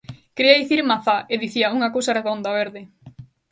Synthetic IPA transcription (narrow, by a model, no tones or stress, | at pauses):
kɾiɐðiθiɾmaθaʔeðiθiɐuŋɐkowsareðond̪aβeɾðe